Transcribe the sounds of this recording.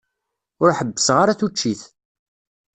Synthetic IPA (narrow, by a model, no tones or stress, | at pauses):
ʊɾħəbːəsʁaɾaθut͡ʃːiθ